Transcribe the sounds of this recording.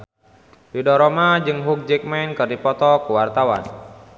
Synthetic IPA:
bidɔɾɔmad͡ʒɨŋɦuk̚d͡ʒɛk̚mɛnkɨrdipɔt̪ɔkuwart̪awan

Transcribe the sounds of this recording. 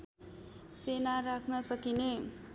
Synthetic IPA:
senaɾakʰnʌsʌkine

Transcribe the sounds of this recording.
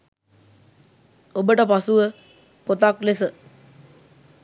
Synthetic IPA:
obəʈəpasuʋə | pot̪aklesə

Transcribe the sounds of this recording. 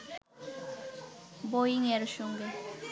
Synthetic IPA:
bojiŋeɾʃɔŋɡe

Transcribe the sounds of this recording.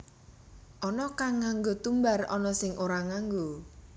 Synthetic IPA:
ʔɔnɔkaŋːaŋɡot̪umbarɔ̰nɔsɪŋʔoɾaŋaŋɡo

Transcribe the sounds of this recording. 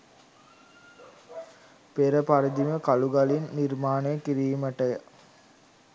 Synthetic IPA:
peɾəpaɾid̪iməkaluɡalinːirmaːnejəkiɾiːməʈəjə

